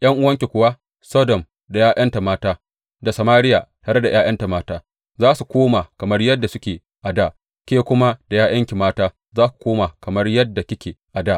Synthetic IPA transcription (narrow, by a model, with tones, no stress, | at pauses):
j̰ɐ˦ŋʔʊ˦wɐ˦ŋkʲi˨kʷʊ˨wa˦ | sɔ˦dɔ˨m | da˨jaː˦ʔɐ˦nta˨maː˦taː˦ | da˨sɐ˨maː˦ɽɪ˦jaː˨taː˨ɾe˦da˨jaː˦j̰ɐ˦nta˨maː˦taː˦ | zaː˦su˨kʷoː˦ma˨kɐ˨mɐ˦rjɐ˦dːa˨sʊ˦kʲeː˨ | ʔa˨daː˦˨ | kʲeː˦kʷʊ˦ma˦d̥a˨jaː˦jɐ˦ŋkʲi˨maː˦taː˦ | zaː˦su̥˨kʷoː˦maː˨kɐ˨mɐ˦rjɐ˦dːa˨kʲɪ˦kʲeː˨ʔa˨daː˦˨ʔ